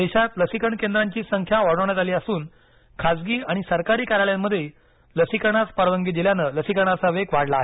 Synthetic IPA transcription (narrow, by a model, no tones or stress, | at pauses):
d̪eɕat̪ləsikəɳkend̪ɾaɲt͡ɕiːsəŋkʰjaʋaɽəʋɳjat̪aliːasuːn | kʰad͡zɡiːaɽ̃isəɾkaɾiːkaɾaɭjamːəd̪ʱːje | ləsikəɳ̃at͡spaɾʋəŋɡiːd̪iljanələsikəɽ̃at͡saʋekʋaɽlaːɦe